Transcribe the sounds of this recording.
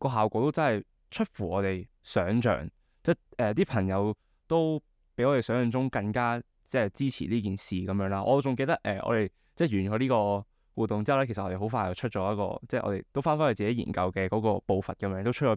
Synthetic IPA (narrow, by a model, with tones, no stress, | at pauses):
kɔː˧ɦaː˨wkɔː˨˧˥t̪o˥wt͡sɐ˥nhɐ˨˩j | t͡ʃʰɵ˥t̚fuː˨˩ɔː˨˧t̪e˨j | sœː˨˥ŋt͡ʃœ̰ː˨˩ŋ | t͡sɛː˥˩ɛː˨t̪iː˥pʰɐ˨˩ŋjɐ˨˧w | t̪o˥w | pe˨˥jɔː˨˧t̪e˨˩sœː˨˥ŋjɵ˨nt͡sʊ˥ŋkɐ˧ŋkaː˥ | t͡sɛː˥t͡siː˥t͡sʰḭː˨˩liː˥k̬iː˨nsiː˨kɐ˨˦mjœː˨˥ŋlaː˧˥ʔɔ̰ː˨˧t͡sʊ˨ŋke˧jt̪ɐ˥k̚ʔɛ̰ː˨ʔɔ̰ː˧t̪e˨j | t͡sɛː˥˩jyː˨˩nkɔ˨˧˥liː˥kɔː˧ | wuː˨t̚t̪ːʊ˨ŋt͡si˥ɐ˨˩lɛ˥kʰe˨˩st̚ʔɔː˧e˨˩ho˨˧˥wfaː˧jɐ˨˩t͡ʃʰt̚t͡ʃɔː˨˥jt̚kɔ̰ː˧t͡sɛː˥˩ʔɔ̰˧e˨˩jt̪o˥wfaː˥nfaː˥˨˩t͡siː˨ke˨˦jḭː˨˩nkɐ˧wkɛː˧kɔː˨˥kɔː˧po˧wfɐ˨t̚kɐ˨˥mjœː˧˥ŋt̪o˥t͡ʃʰt̚ɔː˨˧˥